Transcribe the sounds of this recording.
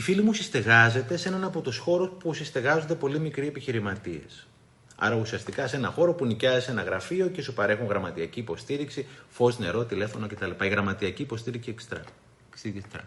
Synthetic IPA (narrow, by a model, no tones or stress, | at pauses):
ifilimusist̪e̞ɣɐze̞t̪e̞se̞nɐnɐpo̞t̪usxo̞ɾospusist̪e̞ɣɐzund̪e̞po̞limikɾie̞piçiɾimɐt̪ie̞̰s | ɐ̰ɾɐusiɐst̪ikɐse̞nɐxo̞ɾo̞punicɐzise̞nɐɣɾɐfio̞ce̞supɐɾe̞xuŋɣɾɐmɐt̪iɐciːpo̞st̪iɾiksifo̞zne̞ɾo̞t̪ile̞fo̞no̞ce̞t̪ɐlipɐiɣɾɐmɐt̪iɐciːpo̞st̪iɾiksiekst̪ɾɐ̰ | sit̪ɐ̰